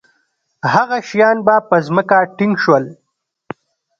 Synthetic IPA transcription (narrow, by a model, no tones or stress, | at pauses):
haɣaʃjɑːnbapəzməkaʈɪŋɡʃwəl